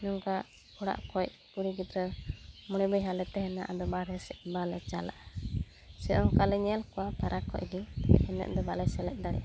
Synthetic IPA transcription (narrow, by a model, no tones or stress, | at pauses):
nɔŋka | ɔɽa̰ʔkɔc̚ | puɽiɡit̪ɾɛmɔɽ̃ɛbɔjɦalɛt̪ɛhɛnaʔad̪ɔbaɾɦɛsɛʔbalɛt͡ʃala̰ʔa | sɛɔŋkalɛɲɛɛlkɔwap̪aɾʔakɔ̰ʔ̚ɡihɛnɛ̰ʔd̪ɔbalɛsɛlɛʔ̚ˀd̪aɽɛ̰ʔa